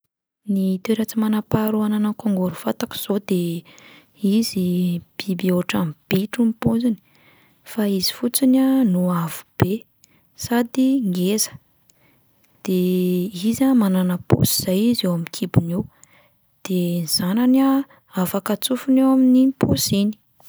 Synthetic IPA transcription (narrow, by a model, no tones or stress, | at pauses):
nit̪eɾat͡simanapaɾuananakoŋɡoɾufat̪aki̥z̥od̪e | izib̥ibioʈ͡ʂamb̥eʈ͡ʂumipozini̥ | faizi̥fut͡sinanuav̥u̥b̥e | sad̪iŋɡezə̥ | d̪̥eizamananəpo̰si̥z̥ajizewamikʰibunew | d̪̥eniz̥anana | afakat͡sufunewaminiposini̥